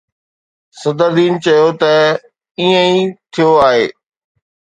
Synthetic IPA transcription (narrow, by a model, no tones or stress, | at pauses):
sɐd̪əɾd̪iːnt͡ɕɐjot̪ɐ | iːə̃it̪ʰijoaːɦeː